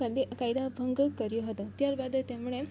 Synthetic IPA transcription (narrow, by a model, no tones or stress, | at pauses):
ad̪ʱikajd̪abʱəŋɡkəɾjoɦət̪ot̪jaɾbad̪t̪jamuɭe